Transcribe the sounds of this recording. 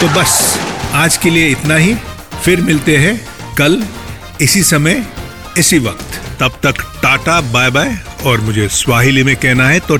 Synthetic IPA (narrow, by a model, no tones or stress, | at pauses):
t̪oːbɐsaːd͡ʒkelieɪt̪naɦi | fɪɾmɪlt̪eɦɛ̃ | kɐl | ɪsisɐmə | ɪsiʋɐqt̪t̪ɐb̚t̪ɐkʈaːʈabaːebaːe | ɔːɾmʊd͡ʒʱeswaːɦɪlimẽkɛɦnaɦɛt̪o